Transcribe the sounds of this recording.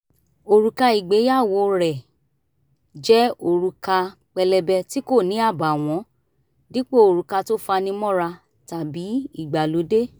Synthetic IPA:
o˨ɾu˧ka˧i˨ɡ͡be˨˦ja˦˨wo˧ɾɛ˨ | d͡ʒɛ˦o˧˨ɾu˧ka˧k͡pɛ˧lɛ˧bɛ˧ti˦ko˦˨nĩ˨˦a˦˨ba˨w̃ɔ̃˨˦ | di˦k͡po˦o˨ɾu˨˧ka˧to˦fa˧nĩ˧mɔ̃˦ɾa˧ | ta˨bi˨˦i˦˨ɡ͡ba˨lo˨˦de˦

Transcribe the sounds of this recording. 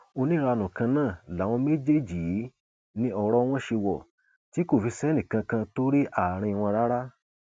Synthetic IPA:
o˧nĩ˦ɾa˧nũ˨kã˧nãː˦˨la˨w̃ɔ̃˧me˦d͡ʒe˦˨d͡ʒi˨˦ | nĩ˧ɔ˨ɾɔ˧w̃ɔ̃˦ʃe˧wɔ˨ | ti˨˦ko˦˨fi˧sɛ˦nĩ˨kã˧kã˧to˦ɾi˦ʔa˦˨ɾ̃ĩ˧w̃ɔ̃˧ɾa˦ɾa˦

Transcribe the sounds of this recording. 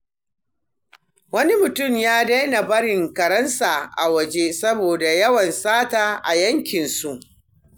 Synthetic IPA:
wɐ˦ni˦mʊ˨tʊ˦˨mjaː˦da˦jna˨bɐ˦ɽɪ˨ŋkɐ˨ɾɐ˦nsa˨ʔa̰˨wɐ˨d͡ʒe˦sɐ˦boː˨da˨jɐ˦wɐ˨nsaː˦taː˨ʔa̰˨jɐ˦ŋkʲɪ˨nsu˦˨ʔ

